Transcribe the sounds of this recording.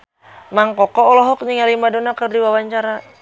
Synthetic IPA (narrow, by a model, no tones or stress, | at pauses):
maŋkɔkɔɔlɔɦɔk̚ɲiŋalimadonakərdiwawaɲt͡ʃaɾa